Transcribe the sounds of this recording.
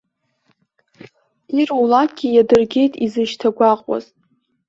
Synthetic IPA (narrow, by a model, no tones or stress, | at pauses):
iruwlak̚ɡʲijadɨrɡʲe̞jtʼizɨʃtʰaɡʷaqʼwa̰z̥